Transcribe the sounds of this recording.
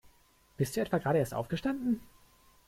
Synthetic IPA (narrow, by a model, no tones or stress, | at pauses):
b̥ɪstd̥uːɛtv̥aːɡʁaːɾəeːɐstʔa̰ʊfɡ̥əʃtandn̩